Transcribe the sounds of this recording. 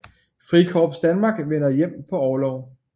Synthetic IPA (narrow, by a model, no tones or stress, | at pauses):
fʁikʰɒːb̥sd̥ænmɑ̈ːɡ̥ʋenɐjem̰pʰɒ̽ɒːlɒʊ